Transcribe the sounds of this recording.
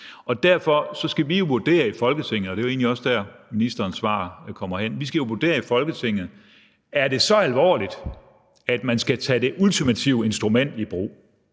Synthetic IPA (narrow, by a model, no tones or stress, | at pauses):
ɒ̽d̥æɐfɒ̽sɒ̽sɡ̥æʋijo̝ʋuɐd̥e̝̰ːɐifɒ̽lɡ̥ət͡sʰe̝ŋ̰ð̩ˠɒɾ̥e̝ʋɑe̝̰ːnliɒ̽sd̥æɐminisd̥ɐːnsʋɑ̰̈ːkʰɒ̽m̰ɐhen̰ʋisɡ̥æjo̝ʋuɐd̥e̝̰ːɐifɒ̽lɡ̥ət͡sʰe̝ŋ̰ð̩ˠ | æɐd̥e̝sɒ̽ælʋɒ̰ːlid̥ | æd̥mænsɡ̥æt͡sʰɛd̥e̝ʔult͡sʰimæt͡sʰiʊe̝nsd̥ʁumen̰d̥ib̥ʁṵː